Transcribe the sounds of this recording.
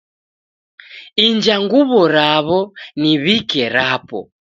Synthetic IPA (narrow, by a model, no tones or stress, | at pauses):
ind͡ʒaŋɡuβɔɾaβɔniβikɛɾapɔ̰